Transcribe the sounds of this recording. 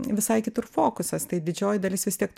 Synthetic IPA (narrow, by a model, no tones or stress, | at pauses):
ʋʲɪsɐɪkʲɪt̪ʊrfoːkʊsɐst̪ɐɪd̪ʲɪd͡ʒʲoːjd̪ɐlʲɪsʋʲɪst̪ʲiɛkt̪